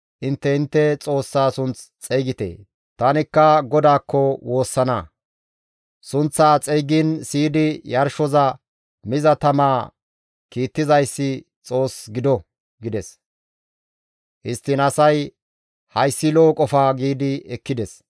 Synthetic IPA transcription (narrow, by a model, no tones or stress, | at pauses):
ʔɪnt̪ːɛɪnt̪ːɛt͡sʼo̞ːsːaːsʊnt͡st͡sʼɛjɡɪt̪ḛː | t̪ɐnɪkːɐɡɔd̪aːkːɔwo̞ːsːɐnɐ | sʊnt͡sːaːt͡sʼɛjɡinsiːd̪ɪjɐɾʃɔzɐ | mɪzɐt̪ɐmaː | kiːt̪ːɪzɐjsːɪ | t͡sʼo̞ːsɡɪd̪ɔ | ɡɪd̪ɛs | ʔɪst̪ːɪnɐsɐj | hɐjsːɪloːkʼɔfaːɡiːd̪ɪɛkːɪd̪ɛs